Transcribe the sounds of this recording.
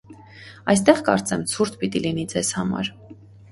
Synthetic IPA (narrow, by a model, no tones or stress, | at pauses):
ɑjst̪ɛʁkɑ̰ɾt͡sɛmt͡sʰuɾt̪ʰpit̪ilinid͡zɛz̥hɑmɑ̰ɾ